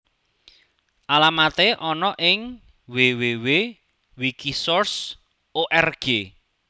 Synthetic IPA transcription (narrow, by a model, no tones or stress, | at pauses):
ʔalamat̪eʔɔnɔʔɪŋ | wewewe | wikisɔrs | oʔɛrɡ̥e